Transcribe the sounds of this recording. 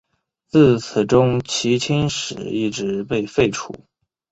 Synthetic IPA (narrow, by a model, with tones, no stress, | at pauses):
t͡sɹ̩˥˩t͡s̩ʰ˨˩ʈ͡ʂʊ˥ŋt͡ɕʰi˧˥t͡ɕʰi˥nʂɻ̩˨˩i˥˩ʈ͡ʂɻ̩˧˥pe˥˧ɪfe˥˩ɪʈ͡ʂʰṵ˨˩˦